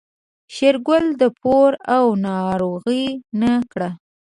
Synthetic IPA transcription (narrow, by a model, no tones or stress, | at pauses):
ʃeɾɡʊld̪əpoɾawnɑɾoɣənakɽa